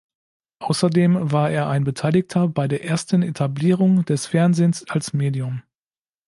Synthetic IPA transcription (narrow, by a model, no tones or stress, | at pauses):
ʔaʊsɐdeːmvaːɐʔeːɐʔaɪnbətʰaɪlɪktʰɐbaɪdeːɐʔeːɐstən̩etʰabliːʁ̞ʊŋd̥ɛsfɛɐnzeːnsalsmeːdiʊm